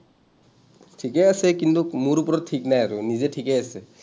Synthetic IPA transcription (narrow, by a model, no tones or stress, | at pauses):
ʈʰikɛasɛkint̪ukmuɾupɔɾɔtʰːiknajaɾunizeʈʰikɛase